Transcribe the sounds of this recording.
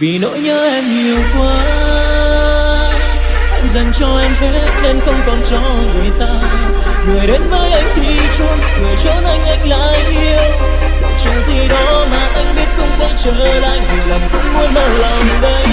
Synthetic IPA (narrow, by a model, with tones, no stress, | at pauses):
vi˨˩no̰˧˥jɲəː˧˦ʔɛ˧mɲi˨˩əwkwaː˨˦ | ʔa˧jŋ̟zə˨˩nt͡ɕɔ˧ʔɛ˧mɦe˧˦˥ne˧nxə˧wŋ͡mkɔ˨˩nt͡ɕɔ˧˦ | vɨ˨˩əjt̪aː˧ | ŋɨ˨˩əjɗe˨˦nməː˧jʔa˧jŋ̟t̪ʰi˨˩t͡ɕu˧nkɨ˨˩ət͡ɕəː˧˦˥nʔa˧jŋ̟ʔa˧jŋ̟la̰ː˧˨jʔi˧əw | t͡ɕɨ̰˧˨zi˨˩ɗɔ˨˦maː˨˩ʔa˧jŋ̟ɓi˦˥ət̚xə˧wŋ͡mkɔ˨˧˦nt͡ɕəː˧˩la̰ː˧˨jvi˨˩lə˨˩ŋ͡mkʊ̰˧˥wŋ͡mmu˧ənɗə˨˩wla˨˩wɗə˧j